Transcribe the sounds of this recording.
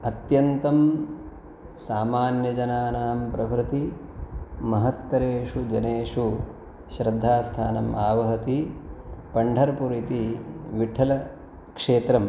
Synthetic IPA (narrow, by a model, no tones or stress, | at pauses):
ɐt̪jɐnt̪ɐm | saːmaːnjɐd͡ʒɐnaːnaːmpɾɐʋɾɪt̪i | mɐɦɐt̪ʋɐɾeːʂud͡ʒɐneːʂu | ʃɾɐd̪ʱːaːst̪ʰaːnɐmaːʋɐɦɐt̪i | pɐɳɖʱɐɾɐpuɾit̪iʋiʈʰɐlɐ | kʂeːt̪ɾɐm